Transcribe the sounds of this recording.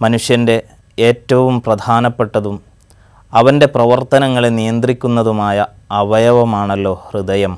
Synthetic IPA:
mɐnuʂjɐnde̞ | eːtːɐʋumprɐd̪ʱaːnɐpːe̞ʈːɐðum | ɐʋɐnde̞prɐʋɐrt̪ɐnɐŋːɐɭenijɐnd̪rikʲːunːɐðumaːjɐ | ɐʋɐjɐʋɐmaːɳɐlːo̞ːhrid̪ɐjɐm

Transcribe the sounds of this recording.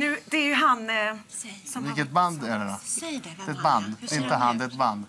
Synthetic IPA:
nʉ̟ːd̪ɛæɾjɵɦan | vɪlkət̪̚band̪æɖɛd̪ɔd̪ɛɛt̪̚band̪d̪ɛɪnt̪əɦand̪ɛɛt̪band̪

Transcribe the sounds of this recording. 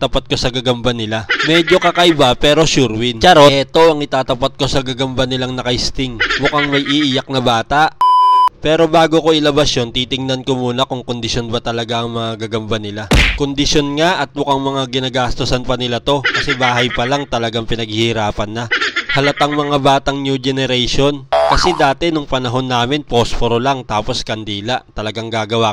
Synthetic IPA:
t̪ɐpat̪̚ko̞sɐɡɐɡɐmbanɪlamɛːd͡ʒo̞kɐkɐʔɪbapɛːɾo̞ʃuɾwɪnt͡ʃɐɾoɛt̪o̞ʔɐŋɪt̪aːt̪ɐpɐt̪̚ko̞sɐɡɐɡɐmbanɪlaŋnɐkɐhɪst̪ɪŋmʊkaŋmɐjʔiʔɪjak̚nɐbaːt̪aʔpɛːɾo̞baːɡo̞ko̞ʔɪlɐbɐsjo̞nt̪iːt̪ɪŋnɐnko̞muːnɐkʊŋko̞nd̪ɪʃjo̞nbɐt̪ɐlɐɡaʔɐŋmɐŋaɡɐɡɐmbanɪlako̞nd̪ɪʃo̞nŋaʔɐt̪̚mʊkaŋmɐŋaɡɪnaɡaːst̪osɐnpɐnɪlat̪o̞kɐsɛbaːɦɐjpɐlaŋt̪ɐlɐɡaŋpɪnɐɡ̚hɪhɪɾaːpɐnːɐhɐlɐt̪ɐŋmɐŋabaːt̪ɐŋnjud͡ʒɛnɛɾɛjʃonkɐsɛd̪aːt̪ɛnoŋpɐnɐɦo̞nːaːmɪnpospoɾolaŋt̪aːpo̞skɐnd̪iːlɐʔt̪ɐlɐɡaŋɡaːɡɐwa

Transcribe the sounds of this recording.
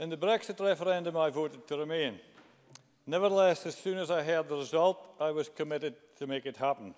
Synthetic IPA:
ɪ̃nðəbɹɛksɨtɹɛfə˞ɛ̃ndə̃maɪvoɾɨd̚tʰəɹɪmẽnː | ɛvə˞ðəlˠɛsɨz̥sʉ̃nəzaɪɦɜ˞d̪̚ðəɹɪzʌlˠtaɪwʌz̥kʰəmɪɾɪd̚tʰəmekɨt̚hapə̃n̩

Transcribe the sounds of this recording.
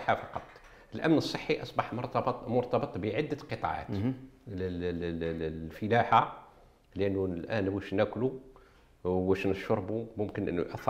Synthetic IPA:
ħafɑqɑt̪ˤ | əlʔæmnəsˤːəħːiʔɑsˤbɑħmʊɾt̪ɑbt̪ˤmʊɾt̪ˤɑbət̪ˤbəʕɪd̪ːəqət̪ˤɑ̰ʕa̰t̪ | l | lfəlæħa | ləʔənːulʔæːnwæʃnækʊlu | wæʃnəʃʊɾˤbumʊmkənʔə̰nːṵʔɑθ

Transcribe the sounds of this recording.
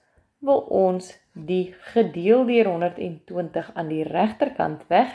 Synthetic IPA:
vəlˠʔɔns | diχədiəlˠdyərɦɔndərtɛ̰ntwəntəχɐːndiræχtərkɐ̰ntvæχ

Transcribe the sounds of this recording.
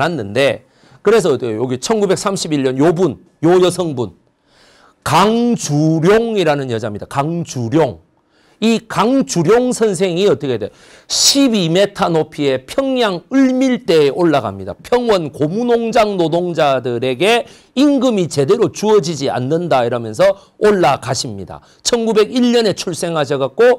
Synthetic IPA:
ɦanːɯnde̞ | kɯɾe̞s̬ʰʌjoɡit͡ɕʰʌnɡube̞k̚s͈ʰamɕʰibiʎɲʌnjobun | jojʌsʰʌŋbun | kaŋt͡ɕuɾjoŋiɾanɯnjʌd͡ʑamɲidakaŋd͡ʑuɾjoŋ | ikaŋd͡ʑuɾjoŋsʰʌns̬ʰe̞ŋiʌt͈ʌkʰedwejo | ɕʰibime̞tʰanopʰie̞pʰjʌŋɲaŋɯɭmiɭt͈e̞ːʔoɭːaɡa̰mɲida̰pʰjʌŋwʌnkomunoŋd͡ʑaŋnodoŋd͡ʑadɯɾe̞ɡe̞ | iŋɡɯmit͡ɕe̞de̞ɾot͡ɕuʌd͡ʑid͡ʑia̰nːɯndaiɾʌmjʌns̬ʰʌ | oɭːakaɕʰimɲḭda̰ | t͡ɕʰʌnɡube̞ɡiʎɲʌne̞t͡ɕʰuɭs͈e̞ŋɦaɕ̬ʰʌɣak̚k͈o

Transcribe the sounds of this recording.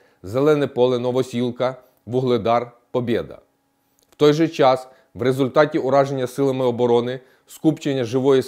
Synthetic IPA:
zelˠɛnɛpɔlˠɪnɔʋɔsʲilˠkɐ | ʋʊɦlˠɪd̪ɑr | pɔbʲid̪ɐ̰ | w̥t̪ɔjʒɛt͡ʃɑs | ʋrezʊlʲt̪ɑtʲiʊɾɑʒenʲːɐsɪlˠɐmɪɔbɔɾɔnɪ | skupt͡ʃenʲːɐʒɪʋɔji

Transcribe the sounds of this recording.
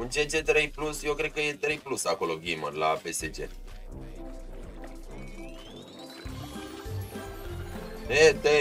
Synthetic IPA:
unt͡ʃet͡ʃe̞t̪ɾejplusje̞wkɾe̞d̪̚kəje̞t̪ɾejplusako̞lo̞ɡimərlape̞set͡ʃḛ | net̪e

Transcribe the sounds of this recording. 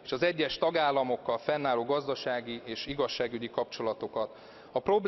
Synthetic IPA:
eːʃɒzɛɟːɛʃt̪ɒɡaːlːɒmo̞kːɒlfɛnːaːloːɡɒzd̪ɒʃaːɡieːʃiɡɒʃːaːɡyɟikɒp̚t͡ʃo̞lɒt̪o̞kɒt̪ | ɒpro̞bl

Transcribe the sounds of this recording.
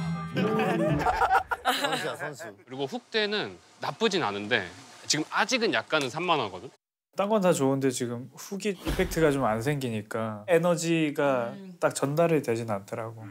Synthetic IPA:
kɯɾiɡoɸuk̚t͈e̞nɯnː | ap͈ɯd͡ʑina̰nɯnde̞̰t͡ɕiɡɯmad͡ʑiɡɯnjak̚k͈anɯnsʰamːanɦaɡʌdɯɲ | t͈aŋɡʌntʰat͡ɕoɯnde̞t͡ɕiɡɯmɸuɡiipʰe̞k̚tʰɯɡat͡ɕomansʰe̞ŋɡiɲik͈ae̞nʌd͡ʑiɡat͈ak̚t͡ɕʌndaɾɯɭtwed͡ʑinantʰʌɾaɡo

